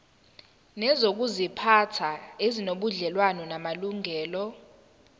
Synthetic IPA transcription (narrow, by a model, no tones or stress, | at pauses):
nɛzok̬uzipʰatʰaezinoɓuɮɛlwanɔnamaluŋɛːlɔ